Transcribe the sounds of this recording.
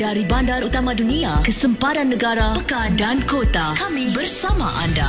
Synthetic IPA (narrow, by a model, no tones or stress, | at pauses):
d̥aɾibandaɾut̪amãduniakəsəmpaɾanːəɡaɾaəkandankot̪akamĩbərsama̰ʔa̰nda